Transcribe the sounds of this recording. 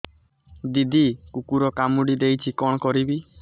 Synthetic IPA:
d̪id̪ʱikukuɾɔkamuɽid̪ejt͡ʃʰikɔɽ̃kɔɾibi

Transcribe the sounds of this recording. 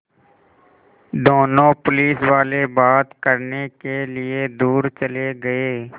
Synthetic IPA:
d̪oːnõpʊliːswaːlebaːt̪kəɾnekelɪed̪uːɾt͡ʃəleɡɐeː

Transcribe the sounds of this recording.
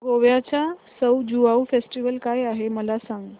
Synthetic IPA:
ɡoʋjat͡ɕasəwd͡ʑuʋaufesʈiʋəlkajaɦeməlasãŋɡ

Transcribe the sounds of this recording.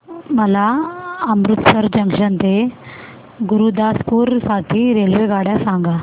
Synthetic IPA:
məlaəmɾut̪səɾd͡ʑəŋɡʂənt̪e | ɡuɾud̪askuːɾsaʈʰiːɾelʋeɡaɽjasãŋɡa

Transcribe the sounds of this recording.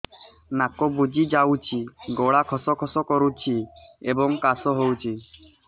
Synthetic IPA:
nakɔbud͡ʒid͡ʒawt͡ʃʰiɡɔɽakʰɔsɔkʰɔsɔkɔɾut͡ʃʰiebɔŋkasɔɦowt͡ʃʰi

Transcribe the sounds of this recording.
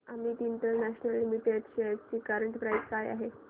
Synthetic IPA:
amiːt̪iːnʈ̪əɾnæɕnəlːimiʈeɖɕeəɾt͡ɕiːkaɾəɳʈpɾajzkaja̰ɦe

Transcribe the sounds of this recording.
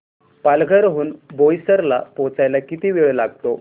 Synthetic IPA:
palɡʱəɾɦuːnbojsəɾlapõt͡sajlakit̪iːʋiɭlaɡ̚t̪o

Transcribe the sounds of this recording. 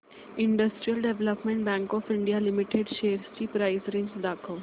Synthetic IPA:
iɳɖəsʈɾijəlɖeʋləpmẽɳʈ̚bɛ̃ŋkɔfiɳɖijalimiʈeɖʃeɾsʈiːpɾaisɾẽɲd͡ʑd̪akʰəʋ

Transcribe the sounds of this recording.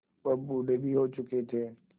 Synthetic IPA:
pɐbuɖeɡiɦoːt͡ʃʊket̪ʰeː

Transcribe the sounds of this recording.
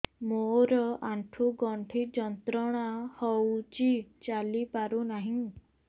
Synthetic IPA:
moɾɔaɳʈʰuɡɔɳʈʰid͡ʒɔnt̪ɾɔɽ̃ahɔwt͡ʃit͡ʃalipaɾunaɦĩ

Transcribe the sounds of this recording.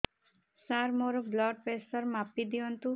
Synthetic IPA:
saɾmoɾoblɔɖ̚pesəɾmapːid̪iɔnt̪u

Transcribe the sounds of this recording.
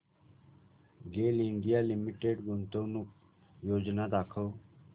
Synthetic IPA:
ɡeːliɳɖijalimiʈeɖɡunt̪ə̃nu | joːd͡ʒnad̪aːkʰəw

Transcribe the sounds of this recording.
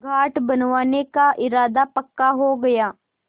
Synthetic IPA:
ɡʱaːʈbɐnʋaːnekaʔɪɾaːd̪apɐkːaɦoɡɐjaː

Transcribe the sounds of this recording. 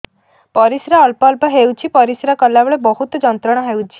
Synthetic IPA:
pɔɾisɾaːlpɔlpɔɦewt͡ʃʰipɔɾisɾakɔlːabɔɭebɔɦut̪ɔd͡ʒɔnt̪ɾɔɽ̃ɔɦewt͡ʃʰi̥

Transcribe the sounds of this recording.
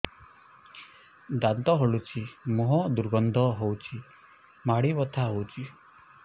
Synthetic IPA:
d̪ant̪ɔɦɔɭut͡ʃʰimɔɦɔd̪uɾɡɔnd̪ʱɔɦowt͡ʃʰi | maɽibɔt̪ʰaɦowt͡ʃʰi

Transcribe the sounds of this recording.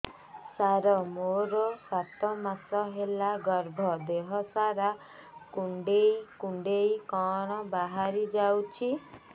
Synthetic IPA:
saɾɔmoɾɔsat̪ɔmasɔɦelaɡɔɾbʱɔd̪eɦɔsaɾa | kuɳɖejkuɳɖeikɔɽ̃ɔbaɦaɾid͡ʒawt͡ʃʰi

